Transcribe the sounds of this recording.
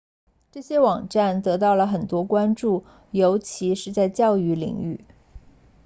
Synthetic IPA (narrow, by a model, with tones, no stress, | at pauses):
ʈ͡ʂɤ˥˩ɕjɛ˥wɑ˨˩ŋʈ͡ʂa˥˩nt̪ɤ˧˥t̪ɑ˥˩ʊlə˩xə˨˩nt̪wɔ˥kwa˥nʈ͡ʂu˥˩ | jo˧˥ʊt͡ɕʰi˧˥ʂɻ̩˥˧t͡sa˥˧ɪt͡ɕjɑ˥˧ʊy˥˩lḭ˨˩˦ŋy̰˥˩